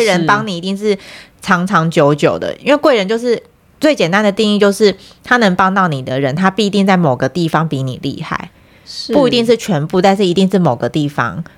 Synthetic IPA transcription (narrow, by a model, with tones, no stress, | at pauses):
ɻə˧˦npɑ˥ŋni˨˩i˧t̪i˥˧ŋʂɻ̩˥˩ʈ͡ʂʰɑ˧˥ŋʈ͡ʂʰɑ˧˥ŋt͡ɕjo˧˥ʊt͡ɕjo˨˩ʊd̪ə̰˦ʔi˥nwe˥˧ɪkwe˥˩ɪɻə˧˦nt͡ɕjo˥˧ʊʂɻ̩˥˧ | t͡swe˥˩ɪt͡ɕjɛ˨˩nt̪a˥˦nd̪ə˨t̪i˥˧ŋi˥˧t͡ɕjo˥˧ʊʂɻ̩˥˩ | t̪ʰa˥nə˧˥ŋpɑ˥ŋt̪ɑ˥˩ʊni˨˩d̪ə˦ɻə˧˦nt̪ʰa˥pi˥˧t̪i˥˧ŋt͡sa˥˩ɪmo˨˩ʊɡə˩˦t̪i˥˩fɑ˦ŋpi˧˦nḭ˨˩lʔḭ˥˧xa̰˥˩˦ɪ | pu˥˩i˧t̪i˥˧ŋʂ̬ɻ̩˥˩t͡ɕʰɥɛ˧˦npu˥˧t̪a˥˧nʂ̬ɻ̩˥˩i˧t̪i˥˧ŋʂɻ̩˥˩mo˨˩ɡə˦t̪i˥˩fɑ̰˧ŋ